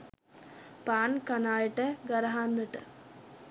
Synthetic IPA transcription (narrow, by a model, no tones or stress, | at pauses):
paːnkanaːjəʈəɡaɾəɦanːəʈə̰